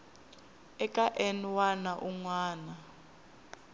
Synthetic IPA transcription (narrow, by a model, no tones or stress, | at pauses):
ɛkʼaʔɛnwanaʔuŋwaːna